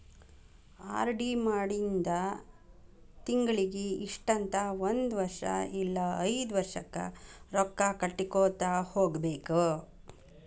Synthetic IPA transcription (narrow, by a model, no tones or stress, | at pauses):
a̰ːɾɖimaːɽind̪ɐ | t̪iŋɡɐɭiɡeiʂʈɐnt̪ɐʋond̪ʋɐɾʂɐ̰ilːɐɐjd̪ʋɐɾʂɐkːɐ̰ɾɔkːakɐʈːikoːt̪aːhoːɡbeːku